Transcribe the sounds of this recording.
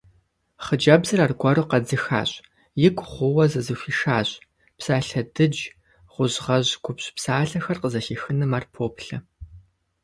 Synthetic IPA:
χəd͡ʒɐbzɨraːrɡʷɔruqɐd͡zɨxa̰ːɕʼ | jɪkʷʰʼχʷʊwɐzɨzɨɕʷiːʃaːɕʼ | psaːɬɐdɨd͡ʒ | ʁʷʊʑʁɐʑɡʷʰʊpɕʼpsaːɬɐxɐrqəzɐɬiːxɨnɨmaːrpʰoːpɬɐ

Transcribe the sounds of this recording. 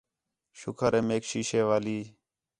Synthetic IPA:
ʃʊkʰəɾeːmeːkʃiːʃeːʋaːliː

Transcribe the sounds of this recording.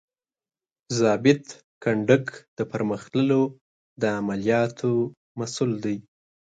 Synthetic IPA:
zɑbɪt̪ | kaɳɖəkd̪̥əpəɾməxt̪ləlo | d̪əamalijɑt̪ʰo | masuld̪aj

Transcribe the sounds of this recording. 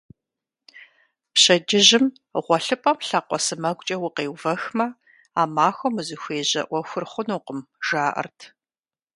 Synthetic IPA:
pɕɐd͡ʒɪʑɪm | ʁʷɔɬɨpʼɐmɬaːqʷɔsɨmɐɡʷʼt͡ʃʼɐwʊqeːwvɐxmɐ | aːmaːxʷɔmɨzɨxʷeːʑɐ̰ʔʷɔxʷʊrχʷʊnuːqəmʒ̥aːʔɐ̰rtʰ

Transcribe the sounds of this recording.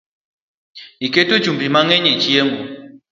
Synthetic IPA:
iketu̥d͡ʒumbimaŋɛɲɛt͡ʃiɛmbu

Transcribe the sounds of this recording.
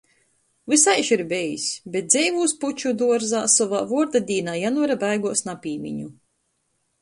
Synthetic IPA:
vɨsajʃiɾbɛjisʲbet̪̚d̪zʲɛjvuːsput͡ʃud̪uɔɾzaːsɔva̰ːvuɔɾd̪ad̪ʲiːnaːjanvɔɾabajɡuɔsnapʲiːmʲḭɲu

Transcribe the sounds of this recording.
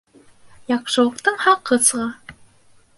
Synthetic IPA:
jɑqʃɤ̆lˠɤ̆qt̪ɤɴhɑqːɤ̆sʁɑ

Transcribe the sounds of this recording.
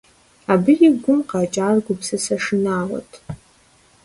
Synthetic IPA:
abɨriɡʷʊmqʼaːt͡ʃʼaːrɡʷʊpsɨsaʂɨnaːʁa̰tʼ

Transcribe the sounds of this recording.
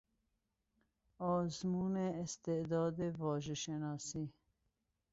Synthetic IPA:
ɔːzmuːneːst̪ed̪ɔːd̪evɔːʒeʃenɑːsi

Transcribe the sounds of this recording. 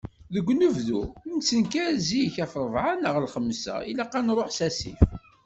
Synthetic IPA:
ðəɡʷːnuvðṵnsənkæɾzijçæfɾˤəvʕanəʁlχəmːsæ̰ilaqanɾˤoħsæsḭf

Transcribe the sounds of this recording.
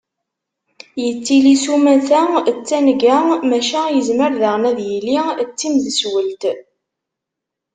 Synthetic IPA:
jət͡sːilisumæθæt͡sːænɡæmæʃæjəzməɾðəʁnæðjilit͡sːimðəswəlt̪

